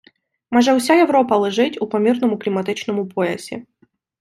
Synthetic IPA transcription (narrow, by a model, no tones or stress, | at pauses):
mɔʐɛʊsʲajɛvɾopɐlˠɨʐɪtʲʊpɐmʲirnəmʊklʲɪmɐt̪ɨt͡ɕnəmʊpojɛ̰sʲɪ̰